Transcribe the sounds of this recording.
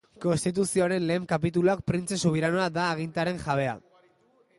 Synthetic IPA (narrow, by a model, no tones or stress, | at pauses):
ko̞nst̪it̪̬usio̞aɾe̞nle̞ːmkapit̪̬uluak̚pɾint͡se̞suβ̞iɾano̞ad̪aːɣ̞int̪aɾe̞ŋʝaβ̞e̞a̰